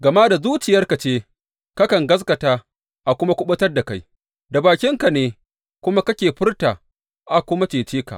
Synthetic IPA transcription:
ɡɐ˨maː˦da˨zuː˦t͡ʃɪ˨jɐ˦rka˨t͡ʃeː˦ | ka˦kɐ˨ŋɡɐ˦s̬kɐ˨taː˦ | ʔa˨kʷʊ˦ma˦kʷʊ˦ɓɐ˦tɐ˦rda˨ka˦j | da˨baː˨kʲɪ˦ŋka˨neː˦ | kʷʊ˦ma˦kɐ˦kʲeː˨ɸɪ˦rtaː˨ | ʔa˨kʷʊ˦ma˦t͡ʃeː˨t͡ʃeː˦ka̰˨

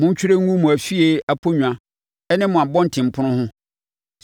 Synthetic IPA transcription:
mʊ̃˦ɲ̩˦t͡ɕᶣɾe˦ŋũ˦mũ˨æ˨fi˦e˦a˨pʰo˦ɲᶣu˨ã˨ | ɛ˦nɪ̃˦mʊ̃˨a˨bɔ̃˦n̩˨tʰɪ̃˨m̩˨pʰʊ˦nʊ̃˦hʊ̃˦

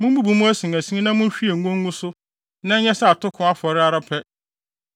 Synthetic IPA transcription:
mʊ̃˦m˦bu˦bu˨mʊ̃˦æ˦sĩ˨ŋæ˨sĩ˦nã˦mʊ̃˦n˦ɕᶣi˦e˨ŋ˦ɡɔ̃˦ŋː˦ɡũ˦sʊ˦ | nã˦ɲ̩˦ɲɛ˦sa˦a˨tʊ˦kʰʊ̃˨˦a˦fɔ˨ɾɪ˦a˦ɾa˦pʰɛ˦

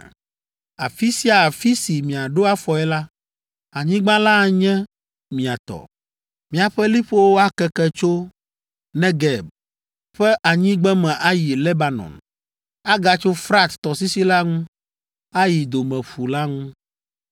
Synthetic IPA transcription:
a̰˨fi˦si˦a˨fi˦si˨mĩ˨a˨ɖo˦a˦fɔ˨ɛ˦la˦ | a˨ɲĩ˦ɡ͡bã˦la˦˨ɲɛ̃˦ | mĩ˨a˨t̪ɔ̰˨ | mĩ˨a˨ɸɛ˦li˦ɸo˦wo˦a˦kɛ˦kɛ˦t͡ʃo˦ | nɛ̃˦ɡɛ˨b̚ | ɸɛ˦ʔa˨ɲĩ˦ɡ͡bɛ˦mɛ̃˨ʔa˦ji˨lɛ˦ba˨nɔ̰̃˨n | a˦ɡa˨t͡ʃo˦fɾa˦t̪t̪ɔ˨si˦si˦la˦ŋũ˦ | a˦ji˨d̪o˨mɛ̃˨ɸu˨la˦ŋũ˦

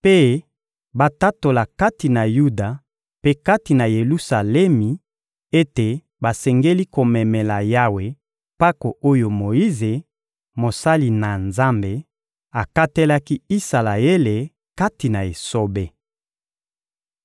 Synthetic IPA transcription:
pe˦ | ba˨ta˦to˨la˨ka˦ti˨na˨ju˦da˨ | pe˦ka˦ti˨na˨je˨lu˦sa˨lɛ˦mi˨ | e˦te˨ | ba˨sɛ˨ŋɡe˦li˦ko˨mɛ˨mɛ˨la˨ja˦we˨ | pa˦ko˨ʔo˦jo˨mo˨i˦ze˨ | mo˨sa˦li˨na˨nza˦mbe˨ | a˨ka˦te˦la˦ki˦i˦sa˨la˨e˦le˨ | ka˦ti˨na˨e˨so˦be˦

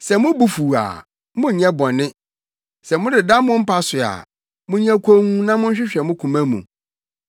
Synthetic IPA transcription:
sɛ˨mʊ̃˦bu˦fu˨a̰˨ | mʊ̃˦˨ɲɛ̃˦bɔ̃˨nɪ̃˦ | sɛ˨mʊ̃˦dɪ˨dã˦mʊ̃˦m̩˦pa˦sʊ˨a̰˨ | mʊ̃˦ɲ˦ɛ̃˦kʰo˦ŋũ˦nã˦mʊ̃˦ɕᶣɪ˦ɕᶣɛ˨mʊ̃˦kʰũ˨mæ̃˦mṵ̃˨

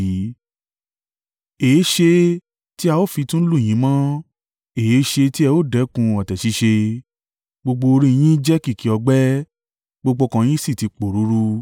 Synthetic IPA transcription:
e˨e˦ʃe˧ | ti˦a˧o˦˨fi˧tũ˦lũ˦˨ĩ˨˦mã˦ | e˨je˨˦ʃe˧ti˦ɛ˧o˦˨dɛ˨˦kũ˧ɔ˨tɛ˨ʃi˨˧˦ʃe˧ | ɡ͡bo˧ɡ͡bo˧o˧ɾĩ˧j̃ĩ˦d͡ʒɛ˦ki˦˨ki˨ɔ˧ɡ͡bɛ˦ | ɡ͡bo˧ɡ͡bo˧kã˧j̃ĩ˦si˦˨ti˨˧k͡po˨ɾu˨˦ɾu˦

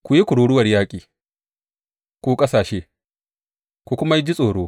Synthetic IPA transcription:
kʷu˨ji˦kʷʊ˨ɽuː˦ɽʊ˦wɐ˨rjaː˦kʲʼiː˨ | kʷuː˦kʼɐ˦saː˨ʃeː˦ | kʷu˨kʷʊ˦ma˦jd͡ʒi˦sʼoː˨ɽoː˦

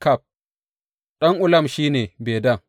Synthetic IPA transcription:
ka˦˨p̚ | ɗɐ˦ŋʔʊ˦lɐ˦˨mʃiː˦neː˨beː˨da˦˨

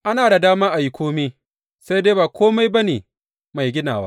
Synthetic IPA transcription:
ʔa˦naː˨da˨daː˦maː˦ʔa˨jɪ˨kʷoː˦miː˦ | sa˦jde˦baː˨kʷoː˦ma˦jba˦neː˨ | ma˨jɡʲɪ˦na̰ː˨wa̰˦ʔ

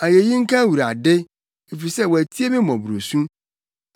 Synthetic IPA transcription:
a˨je˨ji˦ŋ̩˦kʰã˦wu˨ɾa˨dɪ˦ | e˨fi˨sɛ˦˨wɔ˨æ˨tʰi˦e˦mɪ̃˦mɔ̃˨bɾo˨sũ˦

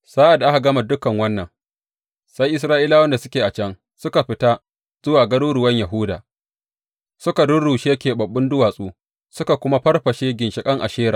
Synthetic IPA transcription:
z̥aː˦ʔa˨dʔa˦ka˨ɡɐ˦ma˨dʊ˦kːɐ˨ŋwɐ˦nːɐ˨ŋ | sa˦jʔɪ˦s̬ɾaː˦ʔiː˦laː˦wɐ˦nda˨sʊ˦kʲeː˨ʔa˨t͡ʃɐ˦ŋ | sʊ˦ka˨ɸɪ˦ta˦ | z̥ʊ˦waː˨ɡɐ˦ɽuː˦ɽʊ˨wɐ˦ɲjɐ˨ɦʊː˦da̰ː˨ | sʊ˦ka˨dʊ˦ɽuː˨ʃeː˦kʲeː˨bɐ˨bːɪ˦ndʊ˦waː˨sʼuː˦ | sʊ˦ka˨kʷʊ˦ma˦ɸɐ˦rɸɐ˨ʃeː˦ɡʲɪ˨nʃɪ˨kʼɐ˦ŋʔa̰˨ʃeː˦ɾa̰ː˨

